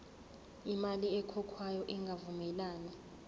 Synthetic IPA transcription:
imaliɛkʰɔkʰwajɔʔɛŋɡʱavumɛlaːnɛ

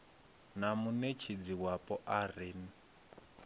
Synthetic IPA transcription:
namunet͡ʃʰid͡ziwapʼɔʔariːni

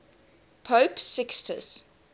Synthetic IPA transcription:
pʰoʊpsɪkstʰə̰s

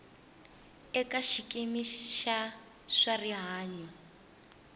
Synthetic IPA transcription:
ɛkaʃikemiʃa | ʂariɦaːɲi

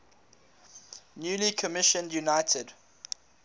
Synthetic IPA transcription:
njuːlikʰəmɪʃə̃ndjunaɪtʰəd̥

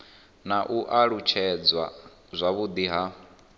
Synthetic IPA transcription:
naʔuʔaɺut͡ʃʰɛd͡zwa | zʷaβud̪iɦa

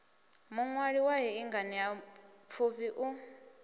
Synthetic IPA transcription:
muŋwaɺiwaɦɛiŋɡanijap̪fʰuɸiʔu

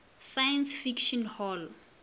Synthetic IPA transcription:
sajɛnsfikʃɔnhɔl

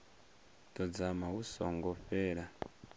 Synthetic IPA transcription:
tɔd͡zamausɔ̰ŋɡɔɸɛːɺa

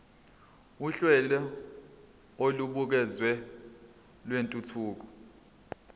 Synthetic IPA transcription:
uɬwɛlɛ | oluɓuk̬ɛzwɛ | lwentʼutʰuːk̬ɔ

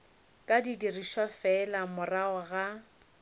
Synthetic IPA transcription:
kʼadidiriʃafɛlamʊraɔɣa

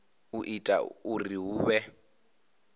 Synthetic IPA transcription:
uʔitʼa̰uriɦuːβɛ

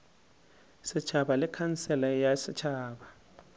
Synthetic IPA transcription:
sɪt͡ʃʰaɓalɛkʰansɛlajasɪt͡ʃʰaːɓa

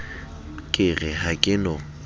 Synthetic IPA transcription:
kʼɪɣɛhakʼɪnɔ

